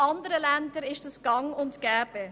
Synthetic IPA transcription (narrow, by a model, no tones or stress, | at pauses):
ɑndəɾəlændəɾɪʃtəsɡ̥ɑŋʊntɡ̥ɛːb̥ə